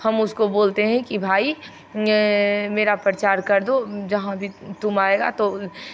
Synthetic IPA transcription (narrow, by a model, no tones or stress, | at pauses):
hɐmʊskoboːlt̪eɦɛ̃kibʱaːi | meːɾapɾət͡ʃaːɾkɐɾd̪od͡ʒɐɦãbʱit̪ʊmaːeɡa̰t̪o